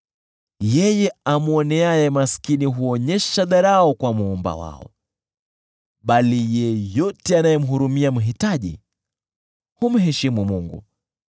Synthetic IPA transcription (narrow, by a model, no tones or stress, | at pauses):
jɛjɛamuɔnɛajɛmaskiniɦuɔɲɛʃaðaɾaɔkwamuɔmba̰wa̰ɔ̰ | ɓalijɛjɔtɛanajɛm̩ɦuɾumiam̩ɦitaʄḭ | hum̩ɦɛʃimumuŋɡṵ